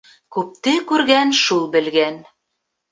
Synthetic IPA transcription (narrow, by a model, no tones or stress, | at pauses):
kʉp̚t̪ɘkʉɾɡænʃulˠbɘ̆lɡæn